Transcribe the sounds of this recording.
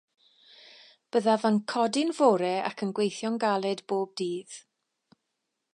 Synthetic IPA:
b̥əðavankʰɔdɪnvoːɾɛa̰kʰənɡwejθjɔnɡalˠɨdboːb̚diːð

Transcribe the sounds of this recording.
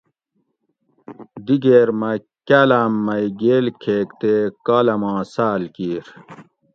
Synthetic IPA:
d̪iɡeːɾmɐ | kaːlaːmːɐjɡeːlkʰeːkt̪eːkaːlɐmãːsaːlkiːɾ

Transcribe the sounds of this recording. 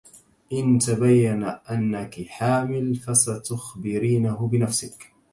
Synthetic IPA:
ʔɪnt̪abajːanaʔanːakɪħaːmɪlfasat̪ʊxbɪɾiːnahʊbɪnafsɪk

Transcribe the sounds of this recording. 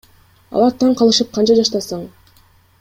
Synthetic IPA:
ɑ̰lˠɑɾt̪ʰɑɴqɑlˠɯʃɯp̚qʰɑnt͡ʃɑd͡ʒɑʃt̪ɑsɑɴ

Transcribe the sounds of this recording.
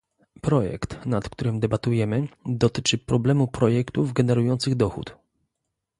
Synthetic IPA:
pɾɔjɛ̰kt̪nat̪kt̪uɾɘmd̪ɛbat̪ujɛmɘd̪ɔt̪ɘt͡ʂɘpɾɔblɛmupɾɔjɛkt̪uvɡɛnɛɾujɔnt̪sɘɣd̪ɔxṵt̪

